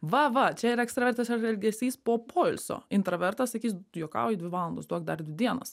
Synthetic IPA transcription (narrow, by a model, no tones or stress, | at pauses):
ʋɐʋɐt͡ʃʲɛɪɾɛkst̪ɾɐʋɛɾʲt̪ɐsɛɾɛlʲɡʲɛsʲiːspoːpʰɔɪlʲso̰ɪnt̪ɾɐʋʲɛɾt̪ɐssʲɐkʲiːsjokɑ̰ːid̪ʲʋʲɪʋɑːlˠond̪osd̪uɔk̚d̪ɐɾd̪ʲʋʲɪd̪ʲiɛnɐs